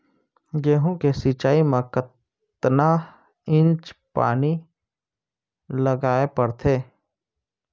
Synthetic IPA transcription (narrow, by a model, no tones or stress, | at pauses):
ɡeːɦõkesit͡ʃaːimẽkət̪ | na | ɪ̃nt͡ʃpa̰ːni | ləɡaːepəɾt̪ʰeː